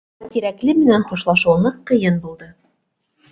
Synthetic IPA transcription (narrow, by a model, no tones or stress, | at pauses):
t̪iɾæklɘmɘ̆nænχuʃlˠɑʃŭwnɤqːɤ̆jɤnbulˠd̪ɤ